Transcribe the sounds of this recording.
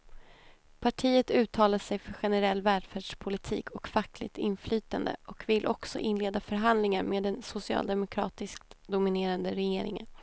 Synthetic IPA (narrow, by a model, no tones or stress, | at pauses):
pʰaʈʰiːət̪ʉ̟ːt̪ʰɑːlaʂɛjfœɾɧɛnɛɾɛlːvæːlɖfæːɖʂpʰʊlɪt̪ʰḭːkʰɔkfakːlɪ̰k̚t̪ɪnflyːt̪and̪ə̰ʔɔkvɪlʔɔksɔ̰ʔɪnleːd̪afœɾɦand̪lɪŋaɾmeːd̪ɛnsʊsɪɑ̰ːld̪ɛmʊkʰɾɑ̰ːt̪ɪskd̪ʊmɪneːɾand̪əɾɛjeːɾɪ̰ŋə̰n